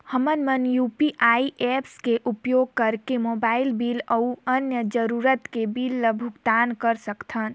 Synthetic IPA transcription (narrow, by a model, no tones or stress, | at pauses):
həmənmənjupiʔaiʔepskeʔupjoɡ̚kəɾkemobaːilbiləuənjəd͡ʒəɾuɾət̪kebilːəbʱʊɡt̪aːnkəɾsəkt̪ʰən